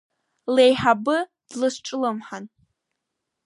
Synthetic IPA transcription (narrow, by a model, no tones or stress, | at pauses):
lejħabɨ | d̥lɨsʈ͡ʂʼlɨmħan